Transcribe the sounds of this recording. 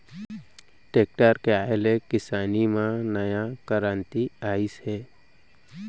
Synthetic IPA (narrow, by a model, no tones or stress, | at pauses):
ʈeːk̚ʈaːɾkeaːelekɪsaːnimãnəjakəɾãːnt̪iaːisɦɛː